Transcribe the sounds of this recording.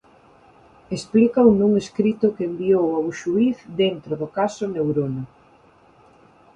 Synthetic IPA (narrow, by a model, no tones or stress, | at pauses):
esplikawnuŋeskɾit̪ʊkeembiowawʃuiθd̪ent̪ɾoðʊkasʊnewɾona